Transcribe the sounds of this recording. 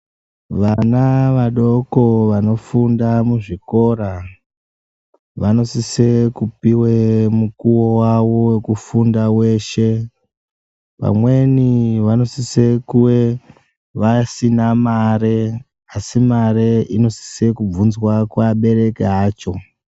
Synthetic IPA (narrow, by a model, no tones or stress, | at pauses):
ʋanaʋaɗo̞ko̞ʋano̞fundamuʐiko̞ɾa | ʋano̞sise̞kupiwemukuwowawo̞wekufundawe̞ʃe̞ | pa̰mwe̞niʋano̞sise̞kuwe | ʋasinamaɾe | asimaɾeino̞si̥se̞kub͡vunzwakwaɓe̞ɾe̞keɦaːt͡ʃo̞